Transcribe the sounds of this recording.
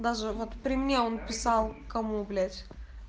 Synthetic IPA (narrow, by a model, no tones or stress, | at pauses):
d̪aʐɨvo̞t̪pɾʲɪmʲnʲeonpʲɪsɑlˠkɐmublʲætʲ